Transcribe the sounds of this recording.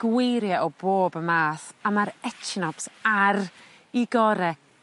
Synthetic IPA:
ɡ̥wejɾjaʔɔboːbəmaːθamaɾɛt͡ʃʰnɔpsaɾ | iɡɔɾɛ

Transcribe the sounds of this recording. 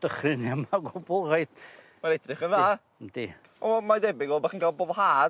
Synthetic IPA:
d̥əχrɪnamaɡʊbɔlˠrajd | maɾɛdrɪχənðaː | nd̥i | ɔmadɛbɪɡɔlˠbaχənɡalˠboːðɔhaːd

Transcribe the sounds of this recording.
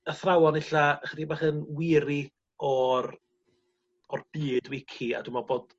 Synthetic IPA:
əθrawɔnɪɬaəχədibaχənwɪɾi | ɔr | ɔrb̥iːdwɪkʰia̰dwumɔboːd̥

